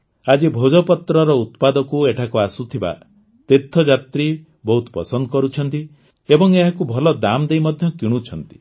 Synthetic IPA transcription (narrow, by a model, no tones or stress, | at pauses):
ad͡ʒibʱod͡ʒɔpɔt̪ɾɔɾɔut̪pad̪ɔkueʈʰakuasut̪ʰiba̰ | t̪et̪ʰːɔd͡ʒat̪ɾi | bɔɦut̪ɔ̥pɔsɔnd̪ɔkɔɾut͡ʃʰɔnt̪i | ebɔŋeɦakubʱɔlɔd̪amd̪ejmɔd̪ʱjɔkiɽ̃ut͡ʃʰɔnt̪i̥